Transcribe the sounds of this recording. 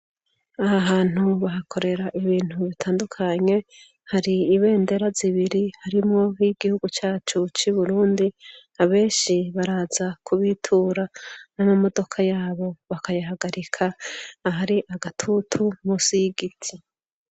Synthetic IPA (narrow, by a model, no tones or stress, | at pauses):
ahaɦaːn̥uβaɦakʰo̞ɾe̞ɾaʔiβiːn̥huβitʰaːndukʰaɲe̞ | haɾiːβe̞ːnde̞ɾaziβiɾihaɾimŋo̞hiɡihuɡut͡ʃaːt͡ʃut͡ʃuβuɾuːndinaβe̞ːnʃiβaɾaːzakʰuβitʰuːɾananomo̞do̞kʰajaːβo̞βakajaɦaɡaɾikʰaɦaɾiʔaɡatʰutʰumusiɡitʰi